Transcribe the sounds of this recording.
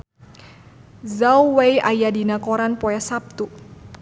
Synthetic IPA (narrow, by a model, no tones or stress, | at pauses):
zawwejajadinakɔɾanpɔasap̚t̪u